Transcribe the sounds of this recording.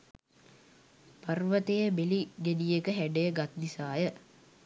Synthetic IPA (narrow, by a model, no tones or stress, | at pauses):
parʋət̪ejəbeliɡed̪ijekəɦæɖəjəɡat̪̚d̪isaːjə